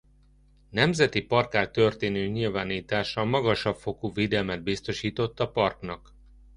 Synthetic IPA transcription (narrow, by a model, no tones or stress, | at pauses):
nɛmzɛt̪ipɒrkaːlt̪ø̞rt̪eːnøːɲilvaːniːt̪aːʃɒmɒɡɒʃɒpfo̞kuːveːd̪ɛlmɛd̪̚bist̪o̞ʃiːt̪o̞t̪ːɒpɒrknɒk